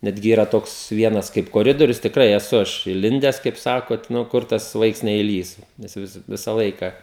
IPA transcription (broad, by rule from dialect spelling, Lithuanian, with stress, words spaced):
ˈnʲæːdʲɡʲɪ ˈiːrɐ ˈtoːks ˈʋʲiɛnɐs kɐɪp koːˈrʲɪdoːrʲʊs tʲɪkˈrɐɪ ɛˈsʊ ˈɐʃ ɪˈlʲɪnʲdʲɛs kɐɪp ˈsɑːkoː ˈnʊ ˈkʊr tɐs ˈʋɐɪks nʲɛɪˈlʲiːs ˈnʲɛs jɛʊ ʋʲɪs ˈʋʲɪsɐ ˈlˠɐɪkɐ